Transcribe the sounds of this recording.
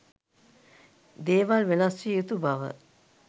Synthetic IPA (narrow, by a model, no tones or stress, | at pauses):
d̪eːʋalʋelasijut̪ubaʋə̰